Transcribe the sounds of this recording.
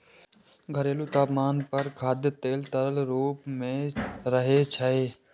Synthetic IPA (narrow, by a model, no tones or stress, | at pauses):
ɡʱəɾeːlut̪aːpmaːnpəɾkʰaːd̪jət̪eːlt̪əɾəlɾuːpmẽɾəɦet͡ʃʰəe